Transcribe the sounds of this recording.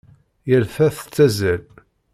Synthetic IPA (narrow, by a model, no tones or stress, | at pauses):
jəɾfæθə̥t͡sːæzæl